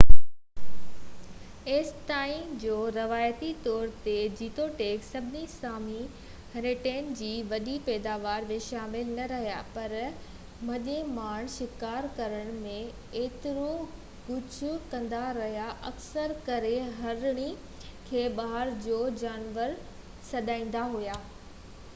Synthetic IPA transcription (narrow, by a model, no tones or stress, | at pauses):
eːst̪aːĩmd͡ʑoːɾɐʋaːjt̪it̪ɔːɾt̪ed͡ʑiːt̪oʈeːksɐbʱɪnisaːmi | ɦɐɾeʈeːnd͡ʑiːʋɐɗipɛːd̪aːʋaːɾmẽʃaːmɪlnɐɾɐɦija̰pɐɾ | mɐ̃ʄẽmaːɽ̃ʃɪkaːɾkɐɾəɽ̃mẽ | eːt̪ɪɾo | ɡʊd͡ʑʰukɐ̃nd̪aɾɐɦijaʔɐksəɾkɐɾeɦɐɾɽ̃i | kʰeːɓaːɦəɾd͡ʑoːd͡ʑaːnʋəɾ | sɐd̪ãːĩːn̆d̪aɦujaː